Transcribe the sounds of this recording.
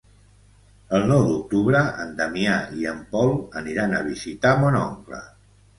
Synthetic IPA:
əlˠnɔwd̪uk̚t̪uβɾəə̰nd̪əmiaiəmpɔlˠəniɾanəβ̞izit̪amɔnɔ̰ŋklə̰

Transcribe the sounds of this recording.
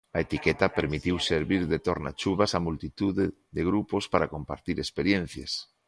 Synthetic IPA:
ɐet̪ikɛt̪apeɾmit̪iwseɾβiɾðet̪oɾna̰t͡ʃuβasamult̪it̪uðe | ðeɣɾupospaɾakompa̰ɾt̪iɾespeɾjen̟θja̰s

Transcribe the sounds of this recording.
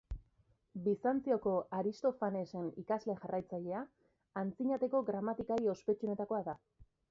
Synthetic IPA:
bisant͡sioko̞aɾist̪o̞fane̞se̞nikazle̞ʝarajt͡saʎe̞a | ant͡siɲat̪e̞ko̞ɣɾamat̪ikajo̞spe̞t͡ʃune̞t̪ako̞aða

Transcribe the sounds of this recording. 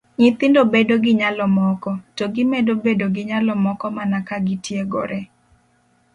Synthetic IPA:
ɲɪt̪ɪndobedoɡɪɲalɔmɔkɔtoɡɪmedobedoɡɪɲalɔmɔkɔmanakaɡɪtjeɡo̰ɾɛ

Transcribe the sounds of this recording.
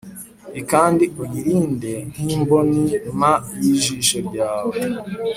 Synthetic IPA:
ikaːndiʔujiɾiːnden̥iːmbonimajiʒiʃoɾɟaːwe

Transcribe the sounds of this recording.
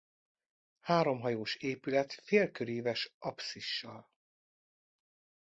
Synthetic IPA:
haːɾo̞mɦɒjoːʃeːpylɛt̪feːlkøɾeːvɛʃʔɒpsiʃːɒl

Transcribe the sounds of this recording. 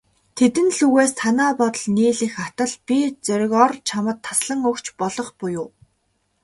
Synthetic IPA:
t̪ʰet̪ɘ̆nɮuɣeːst̪ʰanaːpɔt̪ɞ̆ɮniːɮiːxat̪ə̆ɮpʲit͡sœɾʲɪ̆kɔrt͡ɕʰamə̆t̪ʰːasɮə̆ŋɵkt͡ɕpɔɮɞ̆χpʊjʊː

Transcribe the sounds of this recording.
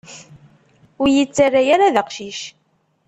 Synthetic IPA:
ʊɾjət͡sːarːajaɾaðəqʃiʃ

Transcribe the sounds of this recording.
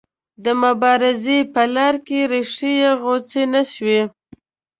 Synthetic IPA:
d̪əmʊbɑɾɪzepəlɑɾkeɾeʂijeɣot͡senaʃwe

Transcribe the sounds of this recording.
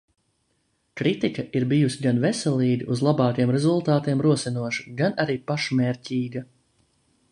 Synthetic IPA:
kɾit̪ikɐʔiɾbijusʲiɡanvɛsɛlˠiːɡ̪iʔuzlˠabɑːkjɛmɾɛzulˠt̪aːt̪iɛmɾuɔsinuɔʃu̥ɡanaɾiːpaʃmɛːɾʲcʲiːɡɐ

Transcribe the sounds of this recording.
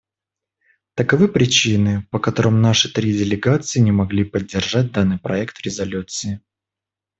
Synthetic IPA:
t̪əkɐvɨpɾʲɪt͡ɕinɨpəkɐt̪o̞ɾəmnaʂɨt̪ɾʲidʲɪlʲɪɡat̪sɨɪnʲɪmɐɡlʲipədʲːɪrʐat̚ʲd̪anːɨjpɾɐɛkt̪ɾʲɪzɐlʲut̪sɨɪ

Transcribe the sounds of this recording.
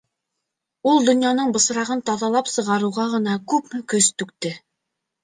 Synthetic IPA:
ulˠd̪ŏnjɑnɤɴbɤ̆s̆ɾɑʁɤnt̪ɑðɑlˠɑpsɤ̆ʁɑɾɤ̆ʁɑʁɤ̆nɑkʉpmɘ̆kɵst̪ʉk̚t̪ɘ

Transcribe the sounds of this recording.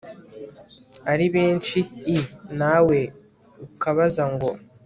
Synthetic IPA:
aɾiβeːnt͡ʃiːnawe̞ | ukaβazaŋɡo̞

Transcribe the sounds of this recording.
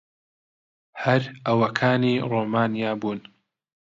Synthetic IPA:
hɐɾɐwɐkʰaːniːroːmaːnijaːbuːn

